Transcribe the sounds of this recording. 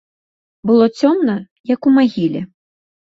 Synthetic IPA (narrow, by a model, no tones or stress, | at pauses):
bɨlˠɔt͡sʲɔmnɐ | jɐkumaɣʲilʲɛ